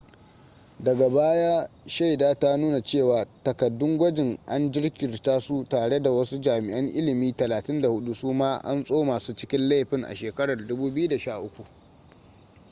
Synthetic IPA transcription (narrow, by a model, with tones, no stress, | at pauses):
dɐ˨ɡa˨baː˦jaː˦ʃa˦˨jdaː˦ta˦nuː˦na˨t͡ʃeː˦˨waː˨tɐ˨kɐ˨dːʊ˦ŋɡʷɐ˦d͡ʒɪ˨ŋʔa˦nd͡ʒɪ˦ɽkʲɪ˨rtaː˦su˦taː˨ɽe˦da˨wɐ˦su˦d͡ʒaː˨mɪ˨ʔɐ˦ŋʔɪ˦lɪ˨miː˦tɐ˨laː˨tɪ˦nda˨hʊ˦ɗu˦suː˦maː˦ʔa̰˦nsʼoː˦maː˨suː˦t͡ʃɪ˦kʲɪ˦nla˦jɸɪ˦ŋʔa̰˨ʃeː˨kɐ˦ɽɐ˨rdʊ˦buː˦bju˦da˨ʃaː˦˨ʔʊ˦kʷu˨ʔ